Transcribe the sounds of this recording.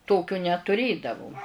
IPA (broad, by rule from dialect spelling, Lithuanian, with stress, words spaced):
ˈtoːkʲoː nʲɛtʊˈrʲeːdɐʋoː